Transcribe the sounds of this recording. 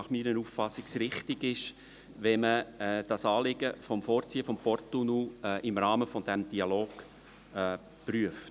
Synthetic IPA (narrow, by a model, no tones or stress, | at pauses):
ɑχmiːɾənuffɑsɪksɾɪχtɪɡɪʃ | ʋɛməd̥ɑsɑːlɪɡ̥əfɔmfɔːɾt͡siːəfɔmpɔrtunuɛʔɪmrɑːməfɔd̥ɛmd̥iɑloːɡ̥ | pryəft